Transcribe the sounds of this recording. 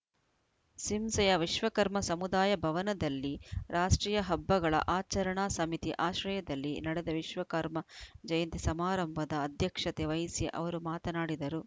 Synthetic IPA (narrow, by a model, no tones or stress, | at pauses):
simsɐjɐʋiʃʋɐkɐɾmɐsɐmud̪aːjɐbʱɐʋɐnɐd̪ɐlːiɾʔaːʂʈɾiːjɐɦɐbːɐɡɐɭɐ̰ʔaːt͡ʃɐɾɐɳaːsɐmit̪iʔaːʃɾɐjɐd̪ɐlːinɐɽɛd̪ɐʋiʃʋɐkɐɾmɐd͡ʒɐjɐnt̪isɐmaːɾɐmbʱɐd̪ɐːd̪ʱjɐkʂɐt̪eʋɐjsjɐ̰ʔɐ̰ʋɐɾumaːt̪ɐnaːɽid̪ɐɾu